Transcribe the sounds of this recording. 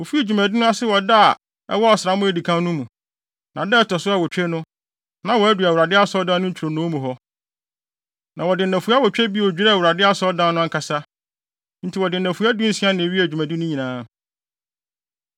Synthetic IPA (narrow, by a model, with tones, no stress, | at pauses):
wo˨fi˦e˨d͡ʑᶣu˨mæ̃˨di˦nʊ̃˦a˦sɪ˦wɔ˨da˦˨ | ɛ̰˦wɔ˦ɔ˨sɾa˨˦mʊ̃˦æ˨di˨kʰã˦n˦nʊ̃˦mũ˨ | nã˨dɛ˦tʰɔ˨sʊ˦a˨wɔ˨t͡ɕᶣɛ˦nʊ̃˦ | nã˨wɔ˨æ˦du˨a˨wu˨ɾa˨dɪ˦a˦sɔ˦dã˦n˦ʊ̃˦ɲ̩˦t͡ɕʰɾo˨nʊ̃˦mũ˨ɦɔ˦ | nʔã˨wɔ˨dɪ˨nːæ̃˨fu˨˦a˦wɔ˨t͡ɕᶣɛ˦bi˦˨wɔ˨d͡ʑᶣi˦ɾɛ˦˨wu˨ɾa˨dɪ˦a˦sɔ˦dã˦n˦nʊ̃˦ŋ˦kʰa˨sa˦ | n̩˦tʰi˨wɔ˨dɪ˨n̩˨næ̃˨fu˨˦a˦dʊ˦n̩˨si˦ã˦nɪ̃˨ɥi˦æ˨d͡ʑᶣu˨mæ̃˨di˦nʊ̃˦ɲĩ˨nãː˨˦